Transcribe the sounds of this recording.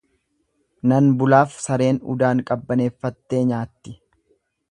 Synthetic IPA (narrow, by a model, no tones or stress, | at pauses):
nɐnbʊlaːfsɐɾe̞ːnʊ̰d̪aːŋkʼɐbːɐne̞ːfːɐt̪ːe̞ːɲaːt̪ːɪ